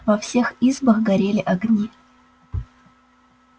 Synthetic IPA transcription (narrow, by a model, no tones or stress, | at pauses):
vɐfsʲe̞xizbəxɡɐɾʲelʲɪʔɐɡnʲi